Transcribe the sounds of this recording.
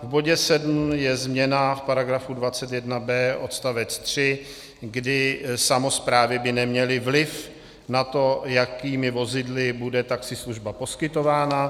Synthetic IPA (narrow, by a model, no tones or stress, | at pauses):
vbo̞ɟɛsɛdm̩jɛzmɲɛnafpaɾaɡɾafudvatt͡sɛt̪jɛdnabɛːʔo̞t̪st̪avɛt͡st̪r̝̥ɪ | ɡdɪsamo̞spɾaːvɪbɪnɛmɲɛlɪvlɪf | nat̪o̞jakiːmɪvo̞zɪdlɪbudɛt̪aksɪsluʒbapo̞skɪt̪o̞vaːna